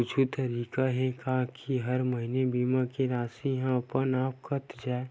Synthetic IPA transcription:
ʊd͡ʒʰʱut̪əɾiːkaɦɛkãkʰiɦɐɾməɦinebiːmãkiɾaːsiɦãɐpənaːp̚kʰət̪d͡ʒaːe

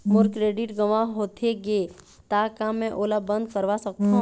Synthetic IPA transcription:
mʊɾkɾeːɖɪʈɡəʋãɦoːt̪ʰeɡe | t̪akamːɛ̃ʔoːlabə̃nd̪kəɾʋasək̚t̪a

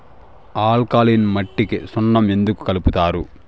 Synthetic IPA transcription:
aːlkaːlinmɐʈːikisɔnːɐme̞nd̪uku̥kɐluput̪aːɾu

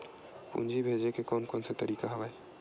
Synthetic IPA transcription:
ṵnd͡ʒʱibʱeːd͡ʒekekɔːnkɔːnset̪əɾiːkaɦəʋae

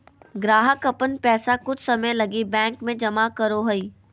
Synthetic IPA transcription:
ɡɾaːɦəkɐpən̆pɛːsakʊd͡ʒʰʱsɐməjlɐɡibɛ̃ːŋkmẽd͡ʒɐmakɐɾoɦɐiː

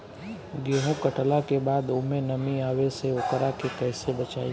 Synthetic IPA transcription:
ɡeːɦõkəʈlakebaːd̪ʊmẽnɐmiaːweseʊkəɾakekɛːsebɐt͡ʃaːi

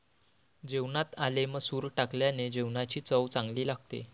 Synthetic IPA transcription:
d͡ʑeʋɳat̪aleməsuːɾʈakljaned͡ʑewɳat͡ɕiːt͡səwt͡sãŋɡliːlaɡt̪ḛ

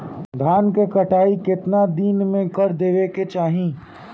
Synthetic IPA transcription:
d̪ʱaːnkekɐʈaːikɪt̪nad̪iːnmẽkəɾd̪eːʋeket͡ʃaːɦĩː

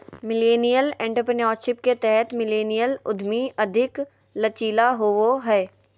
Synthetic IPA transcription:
mɪleːnijəlɛ̃ɳʈəɾpɪnɔːɾʃɪpket̪ɛɦɛt̪mɪleːnijəlʊd̪ʱmiʔɐd̪ʱɪk | lɐt͡ʃiːlaɦooɦɛː

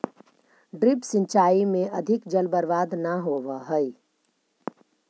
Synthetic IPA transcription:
ɖɾɪpsɪ̃nt͡ʃaːimẽɐd̪ʱɪkd͡ʒəlbəɾʋaːd̪nəɦoːʋəɦəi

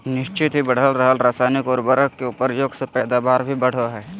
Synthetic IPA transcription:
nɪʃt͡ʃɪt̪ɦibɐɽ̤əlɾəɦəlɾaːsaːnɪkɔːɾbəɾəkkːeupəɾjoːɡsepɛːd̪aːbaːɾbʱibɐɽ̤oɦɛː

